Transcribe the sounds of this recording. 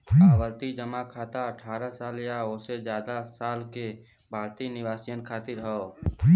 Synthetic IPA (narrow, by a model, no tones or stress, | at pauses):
abəlt̪id͡ʒəmakʰaːt̪aəʈʰaːɾasaːljaoːsed͡ʒjaːd̪asaːlke | bʱaːɾt̪inɪʋaːsijənkʰaːt̪ɪɾɦɔo